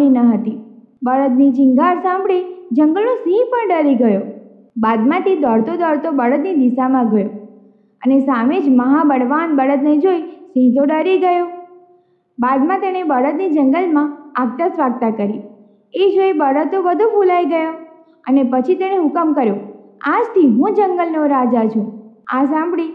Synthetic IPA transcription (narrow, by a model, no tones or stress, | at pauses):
inəɦət̪i | bəɽət̪nid͡ʒiŋɡʱaɾsãmbɽid͡ʒəŋɡəlnosĩpəɳɖəɾiɡəjo | bad̪mãt̪id̪əɽt̪od̪əɾt̪obəɽət̪nid̪isamãɡʱəjo | ənesamed͡ʒməɦãbəɽʋanbəɽət̪ned͡ʒoisĩd̪oɖəɾiɡəjo | bad̪mãt̪eɽ̃ebəɽət̪nid͡ʒəŋɡəlmãaɡ̚t̪əsʋaɡ̚t̪akəɾi | ed͡ʒoibəɽət̪ːobəd̪ʱubulaiɡəjo | ə̰nepət͡ʃʰit̪eɽ̃eɦʊkəmkəɾjo | ad͡ʒt̪ʰiɦũd͡ʒəŋɡəlnoɾad͡ʒat͡ʃʰũã̰sãmbɽi